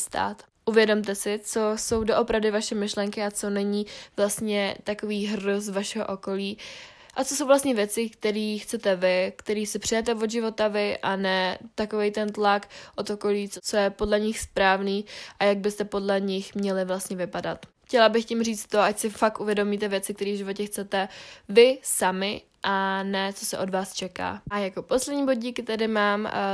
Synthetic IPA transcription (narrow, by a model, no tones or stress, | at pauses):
st̪a̰ːt̪ | ʔuvjɛdo̞mt̪ɛsɪt͡so̞so̞wdoʔo̞pɾavdɪvaʃɛmɪʃlɛŋkɪat͡so̞nɛɲiːvlast̪ɲɛt̪ako̞viːɦroz̬vaʃɛɦo̞ʔo̞ko̞liː | ʔat͡sosowvlast̪ɲɛvjɛt͡sɪkt̪ɛɾiːxt͡sɛt̪ɛvɪkt̪ɛɾiːsɪpr̝̥ɪjɛt̪ɛvo̞d̪ʒɪvo̞t̪avɪʔanɛt̪ako̞vejt̪ɛnt̪lakʔot̪oko̞liːt͡sot͡so̞jɛpo̞dlɛɲɪxspɾaːvniːʔajaɡ̚bɪst̪ɛpo̞dlɛɲɪxmɲɛlɪvlast̪ɲɛvɪpadat̪xcɛlabɪxcɪmriːt͡st̪t̪ːo̞ʔacsɪfak̚t̪ʔuvjɛdomit̪ɛvjɛt͡sɪk̚t̪ɛɾiːvʒɪvo̞cɛxt͡sɛt̪ɛvɪsamɪ | ʔanɛt͡so̞sɛ̰ʔo̞dvaːst͡ʃɛka̰ːʔajako̞po̞slɛdɲiːbod̪ɟiːkɪt̪adɪmaːm